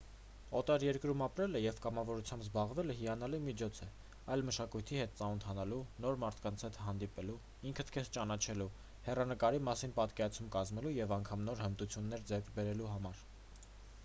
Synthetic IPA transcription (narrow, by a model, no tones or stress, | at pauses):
ɔt̪ɑɾjɛɾkɾumɑpɾɛləjɛvkɑmɑvɔɾut͡sʰjɑmbzbɑʁvɛləɦijɑnɑlimit͡ʃʰɔt͡sʰɛ | ɑjlməʃɑkujt̪ʰihɛt̪̚t͡sɑnunt̪ʰɑnɑlunɔɾmɑɾt̪ʰkɑnt͡sʰhɛt̪ʰɦɑn̪d̪ipɛlu | iŋkʰət̪ʰkʰɛst͡ʃɑnɑt͡ʃʰɛlu | hɛrɑnəkɑɾimɑsinpɑt̪kɛɾɑt͡sʰumkɑzmɛlujɛvɑŋkʰɑmnɔɾhənt̪ut͡sʰjunːɛɾd͡zɛɾkʰbɛɾɛluɦɑmɑɾ